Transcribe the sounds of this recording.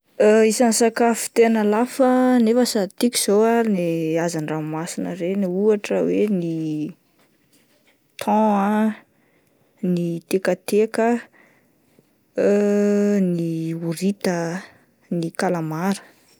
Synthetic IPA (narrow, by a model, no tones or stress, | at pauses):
əisansakafi̥t̪enəlafənefəsat̪ikiz̥oaneazanramasinə̰ɾeniuaʈ͡ʂəweni | t̪ʰɔ̃a | nit̪ekət̪ekə | niuɾit̪ə | nikalamaɾə̥